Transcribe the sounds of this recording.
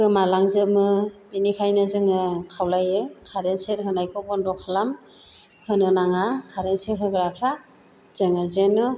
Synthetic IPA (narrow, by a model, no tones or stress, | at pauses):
ɯmalaŋzɯmɯbinikʰajnɯzɯŋɯkʰawlajɯkʰaɾenseɾɦɯnajkʰɔɡɔndɔkʰalam | hɯnɯnaŋakʰaɾenseɦɯɡɾapʰɾa | z̥ɯŋazenɯ